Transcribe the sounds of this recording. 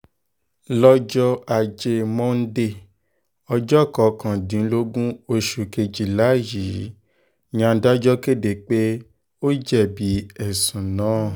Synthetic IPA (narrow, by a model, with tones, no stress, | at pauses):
lɔ˦d͡ʒɔ˦a˨d͡ʒe˧mɔ̃˦n̩˦de˦˨ | ɔ˧d͡ʒɔ˦kɔ˨kã˨dĩ˨˦lo˦ɡũ˦o˧ʃu˨ke˧d͡ʒi˨la˨˦ji˨˦ | ɲ̃˦ã˧˦da˦d͡ʒɔ˦ke˦˨de˨k͡pe˦ | o˦d͡ʒɛ˦˨bi˨˦ɛ˨sũ˨nãː˨˦˨